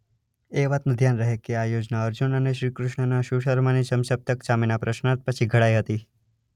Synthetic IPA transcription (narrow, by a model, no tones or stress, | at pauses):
eʋat̪nũd̪ʱjanɾəɦekeajod͡ʒnaəɾd͡ʒunəneʃɾikɾʊʃɳənaʃuʃəɾmanisəmsəp̚t̪əkt͡ʃamenapɾəʃnat̪̚pət͡ʃʰiɡʱəɽajɦət̪i